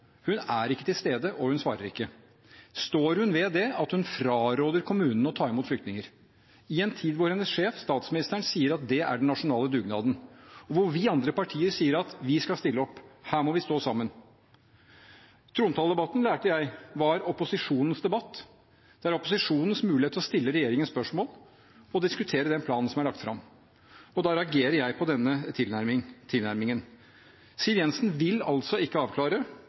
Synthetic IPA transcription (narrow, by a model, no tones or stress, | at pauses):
hʉnæɾɪkːə̥t̪ɪlst̪eːd̪əʔɔhʉnsʋɑ̰ːɾə̰ɾɪ̰kːə | st̪oːɾhʉnʋɛd̪ɛɑt̪hʉnfɾɑːɾoːd̪əɾkʰʊmʉːnn̩ɔt̪ʰɑːɾɛmuːt̪flʏkt̪nɪŋəɾ | ɪɛnt̪ʰiːd̪ʋʊɾhɛnːəsʂeːfst̪ɑːt̪smɪnɪst̪əɳsiːəɾɑt̪̚d̪ɛæ̰ɖɛnnɑʂʊnɑːləd̪ʉːɡnɑ̰ːd̪n̩ɔʋʊɾʋɪːɑnd̪ɾəpɑʈʰiːəɾsiːəɾɑt̪ʋɪskɑlst̪ɪlːəɔpːhæːɾmɔʋɪst̪oːsɑmːən | t̪ʰɾuːnt̪ʰɑːld̪ɛbɑt̪ːn̩læːʈəjæɪʋɑæɾɔpʊsɪʂuːnən̩sd̪ɛbɑt̪ː | d̪̥ɛæɾɔpʊsɪʂuːnən̩smʉːlɪhet̪ʰːlɔst̪ɪlːəɾɛjeːɾɪŋənspœʂmoːl | ɔd̪ɪskʉt̪ʰeːɾəd̪ɛnpʰlɑːnn̩sɔmæɭɑk̚t̪fɾɑ̰m | ɔd̪ɑɾɛɑɡeːɾəɾjæɪpʰɔd̪ɛnːət̪ʰɪlæɾmt̪ʰɪlæɾmɪŋən | siəʋjɛnsn̩ʋɪlɑ̰lt̪sɔɪkːəɑːʋkʰlɑːɾə